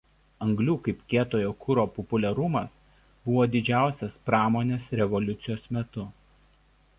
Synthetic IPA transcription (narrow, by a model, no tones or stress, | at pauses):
ɐŋɡlʲuːkɐɪpkʲeːt̪oːjoːkʰʊɾoːpɔpʊlʲɛɾʊmɐs | b̥ʊʋoːd̪ʲɪd͡ʒʲæˑʊsʲɛspɾɑːmoːnʲeːsɾʲɛʋɔlʲʊt̪sʲɪjoːsmʲɛt̪ʊ